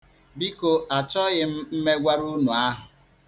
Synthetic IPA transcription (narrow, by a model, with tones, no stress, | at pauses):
bi˦ko˨ʔa˨t͡ʃɔ˦ɣɪ˦m̩˦m̩˦me˦ɡʷa˦ɾu˦nu˨a˦ɦʊ˨